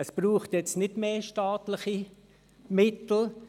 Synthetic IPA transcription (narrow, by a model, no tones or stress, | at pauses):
əsb̥ruːχtjɛt͡stnɪtmeːʃtaːtlɪχi | mɪtl̩